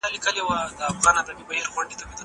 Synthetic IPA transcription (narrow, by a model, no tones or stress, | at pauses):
alikəlewad̪əafɣɑnad̪abibaheɾxwaɳɖet̪amed̪ə